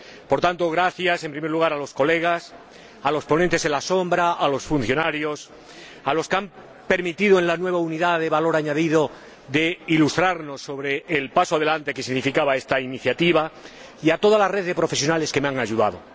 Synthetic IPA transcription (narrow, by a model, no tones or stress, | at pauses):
po̞ɾt̪ant̪o̞ɣɾaθjasempɾimeɾluɣ̞aɾalo̞sko̞le̞ɣ̞as | alo̞spo̞nẽnt̪e̞se̞nlaso̞mbɾaʔalo̞sfun̟θjo̞naɾjo̞s | alo̞skeam | pe̞ɾmit̪iðoẽ̞lanwe̞β̞auniðaðe̞βalo̞ɾaɲaðiðo̞ | ðe̞ilust̪ɾaɾno̞sːo̞βɾe̞ːlpasoað̞e̞lant̪e̞ke̞siɣnifikaβae̞st̪ainiθjat̪iβa | iat̪o̞ðalareððe̞pɾo̞fe̞sjo̞nale̞ske̞meaŋaʝuða̰ð̞o̞